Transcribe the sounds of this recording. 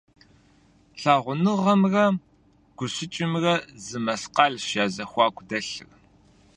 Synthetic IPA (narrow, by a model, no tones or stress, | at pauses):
ɬaːʁʷʊnɨʁɐmrɐ | ɡ̥ʷʊɕɪt͡ʃʼɪmrɐzɨmɐsqɑːɮʃjaːzɐxʷɑːkʷʰʼdɐɬɨ̰r